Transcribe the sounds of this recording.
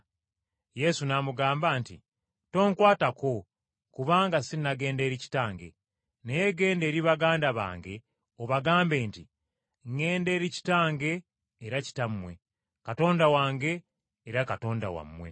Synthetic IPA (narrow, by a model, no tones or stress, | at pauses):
je̞sunaːmuɡaːmbaːntḭ | to̞ːŋkwaːtako̞ | kuβaːŋɡasinnaɡe̞ːnde̞ːɾici̥taːŋɡe̞̰ | nejeɡe̞ːnde̞ːɾiβaɡaːndaβa̰ːŋɡe̞ | oβaɡaːmbe̞ːnti | ŋe̞ːnde̞ːɾici̥taːŋɡe̞ː | ɾaci̥tamːwe̞̰ | kato̞ːndawaːŋɡe̞ː | ɾakato̞ːnda̰wa̰mːwe̞̰